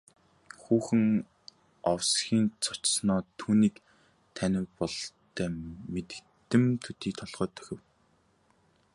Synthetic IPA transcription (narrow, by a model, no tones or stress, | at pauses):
xuːxɘ̆ŋ | ɔwsxʲiːnt͡sʰɔ̥t͡ɕsnɔːt̪ʰuːniːk | t̪ʰænʲɪ̆wpɔɮt̪ʰːæːmet̪ɘ̥̆kt̪ɘ̆mt̪ʰɵt̪iːk̚t̪ʰɔɮʁœːt̪ʰœ̥xʲɪ̆w